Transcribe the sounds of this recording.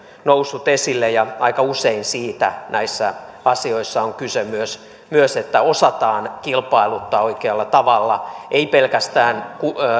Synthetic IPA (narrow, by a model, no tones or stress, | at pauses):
nousːut̪esilːejɑɑikɑuseinsiːt̪ænʔæisːæ̰ɑsioisːɑoŋkysemyøs | myøset̪ːæosɑt̪ɑːnkilpɑilut̪ːɑoikeɑlːɑt̪ɑʋɑlːɑʔeipelkæst̪æːnku